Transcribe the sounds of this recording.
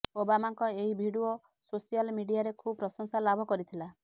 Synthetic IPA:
obamaŋkɔeɦibʱiɽuo | sosijɔlmiɽiaɾekʰubɾɔsɔŋsalabʱɔkɔɾit̪ʰila

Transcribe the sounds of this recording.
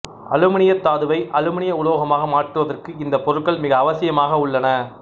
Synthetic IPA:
ɐ̰lɯmɐɳɪjɐt̪ːaːðɯʋɐɪʔɐɻɯmɪɳɪjɐʊloːɣɐmaːɣɐmaːʈrɯʋɐðɐrkɯɪnd̪ɐpɔɾɯkːɐɭmɪɣɐːʋɐsɪjɐmaːɣɐʊɭːɐnɐ

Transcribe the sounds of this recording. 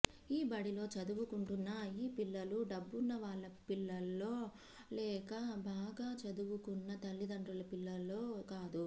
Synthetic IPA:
iːbɐɽilo̞ːt͡ʃɐd̪uʋukuɳʈunːɐiːpilːɐluɖɐbːunːɐʋaːɭːɐpilːɐlːo̞ː | lɛːkɐbaːɡaːt͡ʃɐd̪uʋukunːɐt̪ɐlːid̪ɐɳʈɾɐlɐpilːɐlːo̞ːkaːd̪u

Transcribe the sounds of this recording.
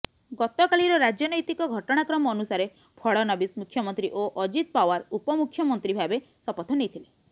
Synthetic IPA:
ɡɔt̪ɔkaɭiɾɔɾad͡ʒjɔnɔjt̪ikɔɡʱɔʈɔɽ̃akɾɔmɔːnusaɾe | pʰɔɭɔnɔbismukʰjɔmɔnt̪ɾiʔoʔɔd͡ʒit̪̚pawaɾupɔmukʰjɔmɔnt̪ɾibʱabesɔpɔt̪ʰɔnejt̪ʰile

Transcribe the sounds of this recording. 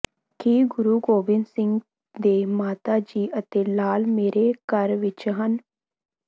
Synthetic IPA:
kiːɡʊɾuɡoːbɪnsɪ̃ŋɡ | d̪eːmaːt̪ad͡ʒiːʔət̪elaːlmeːɾʔekəɾʋɪt͡ʃɦən

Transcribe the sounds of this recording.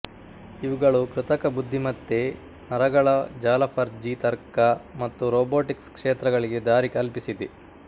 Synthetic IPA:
iʋuɡɐɭukɾut̪ɐkɐbud̪ʱːimɐt̪ːe | nɐɾɐɡɐɭɐd͡ʒaːlɐpʰɐɾd͡ʒit̪ɐɾkɐmɐt̪ːuɾoːboːʈikskʂeːt̪ɾɐɡɐɭiɡe̞d̪aːɾikɐlpisid̪e

